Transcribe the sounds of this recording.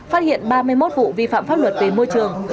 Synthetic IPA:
faː˦˥t̚hḭ˧˨ənɓaː˧mɨ˧əjmo˦˥t̚vṵ˧˨vi˧fa̰ː˧˨mfaː˦˥p̚lwə˨˩t̚t̪e˨˩nmo˧jt͡ɕɨ˨˩əŋ

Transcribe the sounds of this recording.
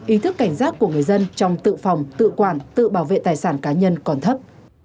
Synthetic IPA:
ʔi˨˦t̪ʰɨ˦˥kːa˧˩jŋ̟zaː˦˥t̚ku˧˩əŋɨ˨˩əjzə˧nt͡ɕɔ˧wŋ͡mt̪ɨ̰˧˨fɔ˨˩wŋ͡mt̪ɨ̰˧˨kwaː˧˩nt̪ɨ̰˧˨ɓaː˧˩wvḛ˧˨t̪aː˨˩jsaː˧˩nkaː˨˦ɲə˧nkɔ˧˩nt̪ʰə˦˥p̚

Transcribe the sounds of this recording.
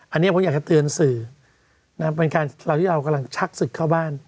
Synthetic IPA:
ʔa˧nːi˦˥˩o˨˦ja˨˩t͡ɕa˨˩t̪ɯ˧ənsɯː˨˩ | na˦˥pe˧nkaː˧nɾa˧wt̪ʰiː˥˩ɾa˧wka˧mla˧ŋt͡ɕʰa˦˥k̚sɯ˨˩kʰːaː˥˩wbaː˥˩n

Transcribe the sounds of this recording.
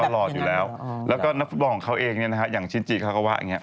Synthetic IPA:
lɔː˧t̪juː˨˩lɛː˦˥wlɛː˦˥kɔː˥˩na˦˥k̚fu˦˥t̪̚bɔ˧kɔ˨˦ŋkʰa˦˥wʔeː˧ŋni˥˩ɐna˦˥kʰa˦˥jaː˨˩ŋt͡ɕʰiː˧˥˩nt͡ɕiː˧˩kʰa˦˥˩kɔː˥˩waː˧˩ʔa̰˧ŋi˦˥˧

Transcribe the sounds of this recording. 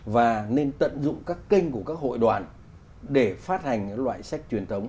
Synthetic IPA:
vaː˨˩ne˧nt̪ə̰˧˨nzʊ̰˧˨ŋ͡mkaː˦˥kːï˧ŋku˧˩əkaː˦˥k̚ho̰˧˨jɗwaː˨˩n | ɗe˧˩faː˦˥t̚ha˨˩jŋ̟ɨ˧˥lwa̰ː˧˨jsa˦˥jk̟̚t͡ɕwi˨˩ənt̪ʰə˨˦wŋ͡m

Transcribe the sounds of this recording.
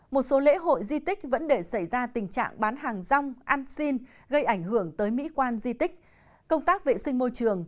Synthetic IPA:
mo˨˩t̚so˨˦lḛ˧˥ɦo̰˧˨jzi˧t̪ï˦˥k̟̚və̰˧˥nɗe˧˩sa˧˩jzaː˧t̪ï˨˩ŋ̟t͡ɕa̰ː˧˨ŋɓaː˨˦nɦaː˨˩ŋza˧wŋ͡mʔaː˧nsi˧n | ɣə˧jʔa˧˩jŋ̟hɨ˧˩əŋt̪əː˨˦jmḭ˧˥kwaː˧nzi˧t̪ï˦˥k̟̚ | kə˧wŋ͡mt̪aː˦˥k̚vḛ˧˨sï˧ŋ̟mo˧jt͡ɕɨ˨˩əŋ

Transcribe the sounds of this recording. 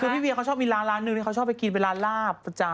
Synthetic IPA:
kʰɯː˧pʰiː˥˩wi˧˨˧kʰa˦˥wt͡ɕʰɔː˥˩miː˧ɾaː˦˥nlaː˦˥nːɯ˨˩ŋni˥˩˦wt͡ɕʰɔː˥˩pa˧ki˨˧npe˧nlaː˦˥nlaː˥˩p̚ːa˧˩t͡ɕa˧˩

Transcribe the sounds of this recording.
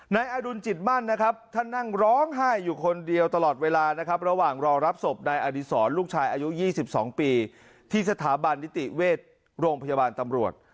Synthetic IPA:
naː˧jʔaː˧du˧nt͡ɕi˨˩t̪̚ma˥˩nːa˦˥kʰa˦˥p̚t̪ʰa˥˩nːa˥˩ŋɾɔː˦˥ŋɦaː˥˩jːuː˨˩kʰo˧ndi˧əwt̪a˧lɔː˨˩t̪̚weː˧laː˧na˦˥kʰa˦˥p̚ɾa˧waː˨˩ŋɾɔː˧ŋɾa˦˥p̚so˨˩p̚naː˧jʔaː˧di˧˩sɔː˩˦nluː˥˩k̚t͡ɕʰaː˧jʔaː˧ju˦˥jiː˥˩si˨˩p̚sɔː˩˦ŋpiː˧ | t̪ʰiː˥˩sa˧t̪ʰaː˩˦ba˧nːi˦˥t̪i˨˩weː˥˩t̪̚ | ɾoː˧ŋpʰa˧ja˧baː˧nt̪a˧mɾu˨˩ət̪̚

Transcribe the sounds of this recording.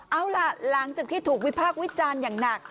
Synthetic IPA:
ʔa˧wla˨˧˩la˩˦ŋt͡ɕaː˨˩k̚t̪ʰiː˥˩t̪ʰuː˨˩k̚wi˦˥pʰaː˥˩k̚wi˦˥t͡ɕaː˧njaː˨˩ŋna˨˩k̚

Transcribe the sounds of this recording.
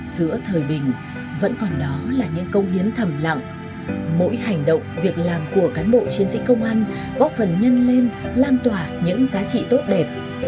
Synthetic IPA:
z̥ɨ̰˧˥ət̪ʰəː˨˩jɓï˨˩ŋ̟ | və̰˧˥nkɔ˨˩nɗɔ˨˦laː˨˩ɲɨ̰˧˥ŋkə˧wŋ͡mi˨˦ənt̪ʰə˨˧˩mla̰˧˨ŋ | mo̰˧˥jɦa˨˩jŋ̟ɗə̰˧˨wŋ͡mvi˨˩ək̚laː˨˩mku˧˩əkaː˨˦nɓo̰˧˨t͡ɕi˨˦ənsḭ˧˥kə˧wŋ͡mʔaː˧n | kɔ˨˦fə˨˩nɲə˧nle˧nlaː˧nt̪waː˨˩ɲɨ̰˧˥ŋzaː˨˦t͡ɕḭ˧˨t̪o˦˥t̚ɗɛ˨˩p̚

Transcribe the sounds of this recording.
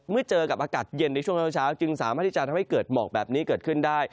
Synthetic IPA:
mɨ˥˩ət͡ɕəː˧ka˨˩p̚ʔaː˧kaː˨˩t̪̚je˧nːa˧jt͡ɕʰu˥˩əŋt͡ɕʰaː˦˥t͡ɕʰaː˦˥wt͡ɕɯ˧ŋsaː˩˦maː˥˩t̪̚ʰiː˥˩t͡ɕa˨t̪ʰmha˥˩kəː˨˩t̪̚mɔ̰ː˨˩k̚bɛː˨˩p̚niː˦˥kəː˨˩t̪̚kʰɯ˥˩ndaː˥˩j

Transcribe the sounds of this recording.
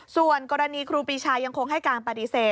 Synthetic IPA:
su˨˩ənkɔː˧ɾa˧niː˧kʰɾuː˧piː˧t͡ɕʰaː˧ja˧ŋkʰo˧ŋɦa˥˩jkaː˧npa˧ti˧seː˨˩t̪̚

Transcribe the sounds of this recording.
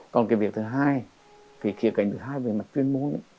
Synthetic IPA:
kɔ˨˩nkaː˨˦vi˨˩ək̚t̪ʰɨ˨˩ɦaː˧j | ki˨˩˦xʰḭ˧˨əwka˧˩jŋ̟t̪ʰːɦaː˧jvəː˨˩ma˨˩t̚t͡ɕwi˧ənmo˧nə̰˧˦

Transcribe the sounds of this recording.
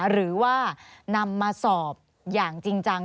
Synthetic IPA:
ɾɯː˩˦waː˥˩na˧mːaː˧sɔː˨˩p̚ | jaː˨˩ŋt͡ɕi˧ŋt͡ɕa˧ŋ

